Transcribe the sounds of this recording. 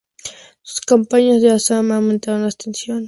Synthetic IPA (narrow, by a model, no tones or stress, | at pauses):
sʊ̥skampaɲazd̪easamament̪aanast̪ensjon